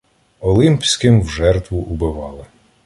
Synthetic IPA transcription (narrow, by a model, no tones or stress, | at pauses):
ɔlˠɪmpʲsʲkɪmwʒɛrt̪ʋʊʔʊbɪʋɑlˠɪ